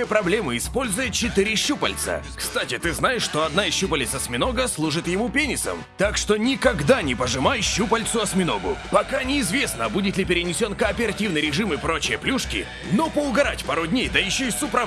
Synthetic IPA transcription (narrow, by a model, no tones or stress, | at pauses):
jəpɾɐblʲe̞mɨɪspo̞lʲzʊjɪt̪̚t͡ɕɪt̪ɨɾʲɪɕupə̰lʲt̪sə̰kst̪atʲɪt̪ɨznajɪʂːt̪o̞ɐd̪naɪsɕːupəlʲɪt̪sɐsmʲɪno̞ɡəslˠuʐɨt̪jɪmupʲenʲɪsə̰mt̪akʂt̪onʲɪkɐɡd̪anʲɪpəʐɨmajɕːupəlʲt̪sʊɐsmʲɪno̞ɡʊ̰pɐkanʲɪːzvʲe̞snəbudʲɪt̪lʲɪpʲɪɾʲɪnʲɪsʲo̞nkəːpʲɪɾɐtʲivnɨjɾʲɪʐɨmɨpɾo̞t͡ɕɪjəplʲuʂkʲɪ̰ | nopəʊɡɐɾatʲpaɾʊdʲnʲejd̪əjɪɕːoɪsʊpɾɐ